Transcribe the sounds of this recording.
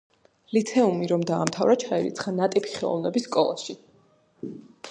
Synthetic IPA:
lit̪sʰɛumiɾɔmd̪aːmt̪ʰavɾat͡ʃʰaɛɾḭt̪sʰχanat̪ʼipʰi̥χɛlˠɔ̰vnɛbisːkʼɔlˠa̰ʃi

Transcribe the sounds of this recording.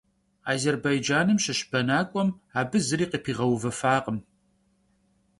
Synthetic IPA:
aːzerbɐjd͡ʒaːnɨmʃɐɕb̥ɐnaːkʷʼɔmaːbɨzɨɾiːqipʰiːʁɐwvɐfaːqəm

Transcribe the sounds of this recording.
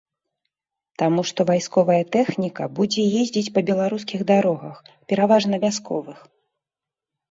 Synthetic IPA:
t̪amuʂt̪ɔvajskɔvɐjɐt̪ɛxnʲikɐbud͡zʲɛjezʲd͡zʲit͡sʲpɐbʲɛlˠaɾuskʲiɣd̪aɾɔɣɐxpʲɛɾavaʐnɐvʲaskʰɔ̰vɨx

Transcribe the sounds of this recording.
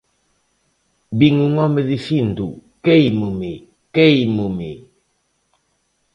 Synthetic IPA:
biŋuŋɔmeðifind̪ṵkejmume | kejmume

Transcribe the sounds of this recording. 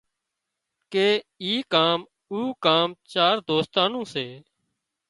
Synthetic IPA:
keːiːkaːm | uːkaːmt͡ʃaːɾd̪oːst̪aːnõːseː

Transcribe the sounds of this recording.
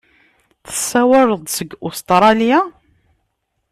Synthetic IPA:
θə̥sːæwəɾˤəðˤsəɡʊst̪ɾˤɑlija

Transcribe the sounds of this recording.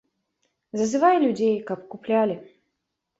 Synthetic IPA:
zɐzɨvajlʲud͡zʲejkɐpkuplʲalʲɪ

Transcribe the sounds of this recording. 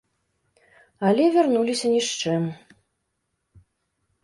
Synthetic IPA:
alʲɛvʲarnulʲisʲɐnʲiʂt͡ʂɨm

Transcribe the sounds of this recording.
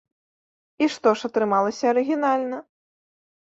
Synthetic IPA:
iʂt̪ɔʂɐt̪ɾɨmalˠɐsʲɐɐɾɨɣʲinalʲnɐ

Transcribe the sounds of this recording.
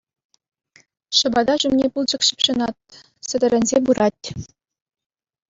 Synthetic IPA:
ʃɤ̆bɑd̪ɑʑumnʲepulˠd͡ʑɤ̆kɕɘ̆pʲɕɤ̆nɑt̪̚ | sɘ̆d̪ʲɘ̆ɾʲɘ̆nʲzʲebuɾɑtʲ

